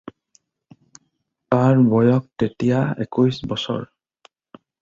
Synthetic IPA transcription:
taɹbɔjɔk̚tetijaḛkujsbɔsɔ̰ɹ

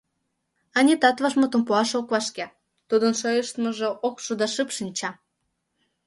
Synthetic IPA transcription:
ɑnʲit̪ɑt̪vɑʃmot̪ə̆mpuɑʃokβɑʃke | t̪ud̪ənʃojəʃt̪məʒĕʔokʃud̪ɑʃɨpʃɨnʲt͡ɕɑ

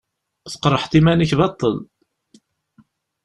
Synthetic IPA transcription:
θə̥qɾˤəħt̪imænəçbɑt̪ˤːəl

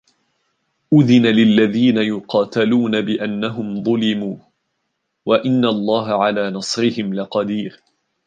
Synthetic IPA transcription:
ʔʊðɪnalɪlːaðiːnajʊqɑːt̪aluːnabɪʔanːaɦʊmðˤʊlɪmuː | waʔɪnːalˤːɑːɦaʕalaːnɑsˤɾɪhɪmlɪqɑd̪iːɾ

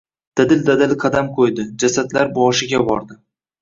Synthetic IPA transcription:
d̪̥ad̪ɪld̪ad̪ɪlqʰɑd̪amqʰojd̪ɪd͡ʒasad̪laɾbɒʃɪɡʲabɒ̰ɾd̪ɪ

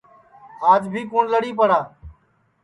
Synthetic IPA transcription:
aːd͡ʒbʱiːkuːnləɽiːpəɽaː

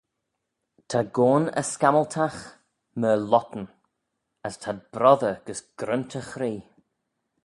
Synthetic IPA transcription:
tʰaɡoːnə̰skaməlˠtʰax | məlɔtn̩ | əstʰab̥ɾɔðəɡ̥əsɡ̥ɾəntʰəxɾiː

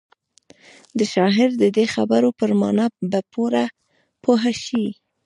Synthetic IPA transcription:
d̪əʃɑɦɪɾd̪əd̪exabaɾopəɾmɑ̰nɑbapoɾa | pʰoɦaʃi

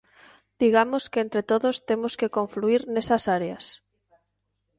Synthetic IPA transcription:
d̪̥iɣamoskeent̪ɾet̪oðost̪emoskekoɱfluiɾnesɐsaɾeas

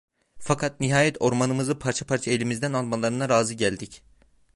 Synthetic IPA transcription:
fakʰat̪̚niɦaːjɛt̪ʰo̞ɾmanɯmɯzɯpʰaɾt͡ʃʰapʰaɾt͡ʃʰae̞lʲimizd̪ænalˠmalˠaɾɯnaɾaːzɯɟælʲd̪ic

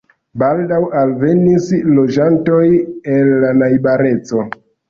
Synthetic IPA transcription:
baldawalve̞nislo̞d͡ʒanto̞jelːanajbaɾe̞t͡so̞

